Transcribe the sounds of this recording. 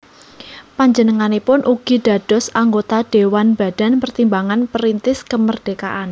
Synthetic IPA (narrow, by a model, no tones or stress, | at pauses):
paɲd͡ʒənəŋanepʊnʔuɡ̥iɖ̥a̤d̥ɔ̤saŋɡot̪aɖ̥ewanb̥a̤d̥a̤npərt̪imbaŋanpəɾint̪ɪskəmərd̥ekaʔan